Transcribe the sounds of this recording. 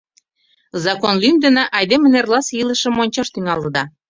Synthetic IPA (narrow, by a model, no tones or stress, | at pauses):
zɑkonlymd̪ə̆neʔɑjd̪emenerlɑsjilə̆ʃə̆mːonʲt͡ɕɑʃt̪yŋɑlɤ̆d̪ɑ